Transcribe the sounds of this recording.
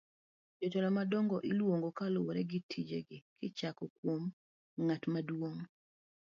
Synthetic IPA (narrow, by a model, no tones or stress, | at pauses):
d͡ʒotɔlɔmadɔŋɡɔʔɪlwoŋɡokalʊwoɾɛɡɪtʰid͡ʒeɡɪkɪt͡ʃakɔkwom | ŋatmadwoŋ